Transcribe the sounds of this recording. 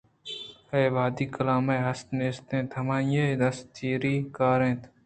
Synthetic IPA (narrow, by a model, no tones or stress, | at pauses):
eːʋaːd̪iːkəlaːmeːɦɐst̪neːst̪ẽːt̪ʰɐmãːjed̪ɐst͡ʃiːɾiːkaːɾẽːt̪ʰ